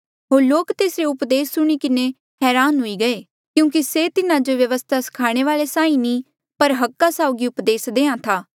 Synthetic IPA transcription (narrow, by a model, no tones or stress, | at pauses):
ɦoːɾloːkt̪eːsɾeʊpd̪eːsːʊɽ̃ikɪne | ɦɛːɾaːnɦʊiɡɐe | kjũːk̬iseːt̪ɪnãd͡ʒoʋjəʋəst̪ʰasɪ̥kʰaːɽ̃eʋaːlesãːĩnĩː | pəɾɦɐkːasaːʊɡiʊpd̪eːsd̪eːãt̪ʰaː